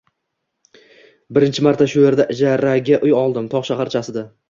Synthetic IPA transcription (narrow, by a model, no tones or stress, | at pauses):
bɪɾɪnt͡ʃʰɪmaɾt̪ʰaʃʊje̞ɾd̪aʔɪd͡ʒaɾaɡʲaʔʊjɒlˠd̪ɪmt̪ʰɒʁʃahaɾt͡ʃʰasɪd̪a